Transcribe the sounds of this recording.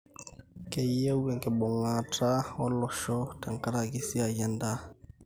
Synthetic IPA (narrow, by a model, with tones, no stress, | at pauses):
kɛ˨je˦wɛ˨ŋkɛ˨bɔ˨ŋa˨tʰa˦ɔ˦lɔ˨ʃɔ˦ta˨ŋka˦ɾa˨ɡi˦si˦a˨jɛ˦nda˦